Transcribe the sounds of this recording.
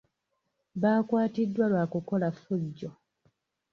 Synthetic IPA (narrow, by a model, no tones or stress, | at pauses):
βaːkwaːtidːwalwaːkuko̞lafuɟːo̞